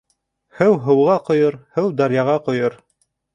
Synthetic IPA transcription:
hɘwɦɤ̆wʁɑqŏjɤɾhɘwd̪ɑɾjɑʁɑqŏjɤɾ

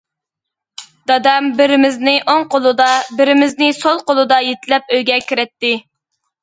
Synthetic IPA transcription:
d̪̥ɑd̪ɑmbɪɾɪmɪznɪʔoŋqʰolˠud̪ɑbɪɾɪmɪznɪsolˠqolˠud̪ɑjet̪ɪlɛp̚øjɡʲɛkʲʰiɾɛt̪ːɪ

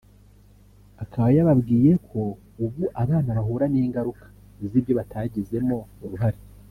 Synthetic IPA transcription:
akaβajaβabɡiːje̞kʰo̞ | ubɡuʔaβaːnaβaɦuːɾaniŋɡaɾukʰḁ | zibjo̞βatʰaɟize̞mo̞uɾuɦaɾe

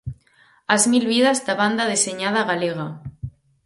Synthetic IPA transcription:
azmilβiðazd̪aβand̪aðeseɲað̞aɣaleɣ̞a

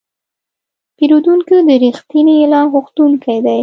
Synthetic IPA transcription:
peɾud̪uŋkid̪əɾixt̪inijelɑɣʊxt̪uŋkajd̪aj

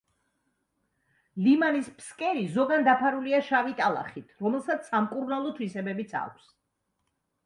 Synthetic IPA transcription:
limanispʰskʼɛɾizɔɡand̪apʰaɾuliaʃavit̪ʼalˠa̰χit̪ʰɾɔmɛlˠsat̪ssamkʼuɾnalˠɔt̪ʰwisɛbɛbit̪sʰa̰kʷʰs

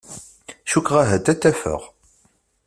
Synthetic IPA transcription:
ʃukʁaɦæt̪ːæt͡s̪ːæfə̰ʁ

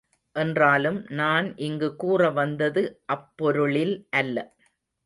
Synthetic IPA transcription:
ʔɛndraːlɯmnaːnʔɪŋɡɯkuːrɐʋɐnd̪ɐðɯʔɐpːɔɾɯɭɪlʔɐlːɐ

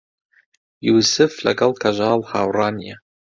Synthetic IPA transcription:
jusɨflɐ̰ɡʼɐlkʰɐʒaːlhaːwraːnija

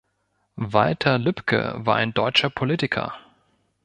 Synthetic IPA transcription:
valtʰɐlʏpkʰə̰va̰ːɐʔa̰ɪndɔʏt͡ʃɐpʰoliːtɪkʰɐ̰

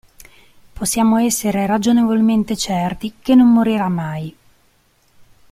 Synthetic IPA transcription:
posːjaːmoɛsːeɾeɾad͡ʒonevolment̪et͡ʃɛrt̪ikenːomːoɾiɾamaj

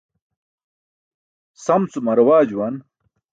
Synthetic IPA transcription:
sɐmt͡sumɐɾɐwaːd͡ʑuwɐn

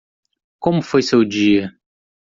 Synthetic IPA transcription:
kõmʊfojsewd͡ʒiɐ

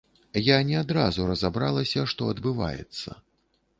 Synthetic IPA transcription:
janʲɛad̪ɾazuɾɐzabɾalˠɐsʲɐʂt̪ɔɐd̪bɨva̰jɛ̰t̪sːɐ̰

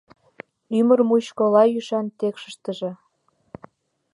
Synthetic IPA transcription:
ymərmuɕkolɑjyʃɑnt̪ekʃə̥̆ʃt̪əʒĕ

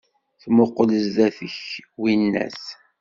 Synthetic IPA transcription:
θmoqːləzðæθəçwinːæ̰s

